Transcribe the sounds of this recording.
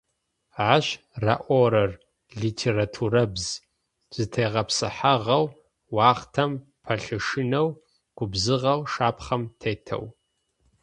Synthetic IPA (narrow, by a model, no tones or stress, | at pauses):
ʕaʃ | raʔʷoɾɐr | ɮitʰeːɾatʰurɐbz | z̥ɨtʰejʁɐpsɨħaʁɐw | wɑːχtʰɐm | pʰɐɬɨʂɨnɐw | ɡ̥ʷʊbzɨʁɐwʂaːpʰχɐmtʰeːtʰɐ̰w